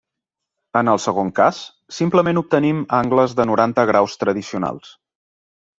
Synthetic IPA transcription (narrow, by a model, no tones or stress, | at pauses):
ənəlˠsəɣ̞oŋkasː | impləmenup̚t̪ənimaŋɡləzðənuɾant̪əɣ̞ɾawst̪ɾəðisiuna̰lˠs